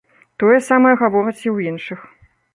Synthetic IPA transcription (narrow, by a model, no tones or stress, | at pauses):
t̪ɔjɐsamɐjɐɣavɔɾɐt͡sʲiwinʂɨx